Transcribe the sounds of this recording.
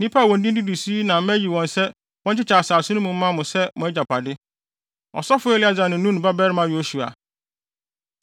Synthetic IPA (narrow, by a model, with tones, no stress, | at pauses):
nĩ˦pʰa˦˨wɔ̃˨ndĩ˦di˦du˨si˦nã˨m˦æ˦ji˨wɔ̃˨nsɛ˦ | wɔ̃˦n˦t͡ɕʰɪ˦t͡ɕʰa˨saː˨sʊ̃˦nʊ̃˦mũ˨m̩˦mã˦mʊ̃˨sɛ˦mʊ̃˨æ˦d͡ʑa˨pʰa˨dɪ˦ | ɔ̰˨sɔ˦fʊ˦ɛ˦lɪ˦a˦˨d͡za˨nɪ̃˨˦nũ˦n˨ba˦bɛ˦ɾɪ˦mã˦jo˦su˨a̰˨